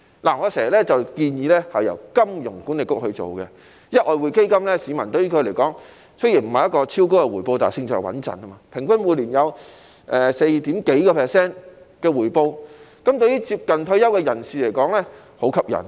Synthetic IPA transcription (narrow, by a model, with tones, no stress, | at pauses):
la̰ː˨˩ŋɔ˨˧sɛː˨˩˨lɛː˥t͡sɐ˨wkiː˧njiː˨˧lɛː˥hɐ˨˩jɐ̰˨˩wkɐ˥mjʊ˨˩ŋkuː˨˥nle˨kːʊ˥k̚hɵ˧t͡so̰˨wkɛ˧ | jɐ˥t̚ʔɔː˨˧jwuː˨˧jke˥jkɐ˥mlɛː˥siː˨˧mɐ˨˩nt̪ɵ˧ɥjy˥kʰɵ˧ɥle˨˩jkɔː˨˥ŋ | sɵ˥ji˨˩nm̩˨˩hɐ˨jɐ˥kɔː˧t͡sʰiː˥wko˥wkɛ˧wuː˨˩jpo˧wt̪a̰ː˨˩sɪ˧ŋt͡sɔː˨˩wɐ̰˨˥nt͡sɐ̰˨nɐː˥maː˧pʰɪ˨˩ŋfɐ˥nwuː˨˧liː˨˩njɐ˨˧w | ʔɛː˨se˧jt̪iː˨˥mke˨˥jkɔː˧pʰɛː˨˩sɛː˥n | kɛː˧wuː˨˩jpo˧wkɐ˨˥mt̪ɵ˧ɥjyː˥t͡siː˧p̚kɐ˨nt̪ʰɵ˧ɥjɐ˥wkɛː˧jɐ˨˩nsiː˨le˨˩jkɔː˨˥ŋlɛː˥ | ho˨˥wkʰɐ˨˥p̚jɐ̰˨˩n